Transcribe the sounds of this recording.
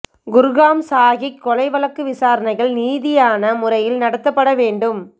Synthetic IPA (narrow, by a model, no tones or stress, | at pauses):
ɡʊɾɣaːmsaːɣɪkːɔlɐɪʋɐlɐkːɯʋɪsaːɾɐnɐɪɣɐɭniːðɪjaːnɐmʊrɐjɪlnɐɽɐt̪ːɐpːɐɽɐʋeːɳɖɯm